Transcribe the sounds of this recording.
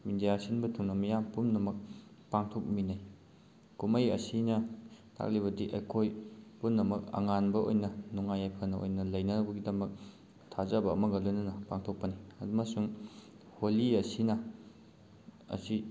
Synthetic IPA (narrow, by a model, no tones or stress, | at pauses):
midijasinbɐtʰuŋnɐmɐjampumnɐmɐk̚ | paŋtʰok̚minaj | kumɐjɐsinɐtʰa̰k̚liβɐdiʔɐ̰jkʰojpumnɐmɐk̚ɐ̰ŋanbɐo̰jnɐnuŋajajpʰɐnɐo̰jnɐlɐjnɐnɐbɐɡidɐmɐk̚ | tʰazɐbɐ̰ːmɐɡɐlojnɐnɐpaŋtʰok̚pɐniɐ̰dumɐsuŋ | holiɐsinɐ | ɐ̰si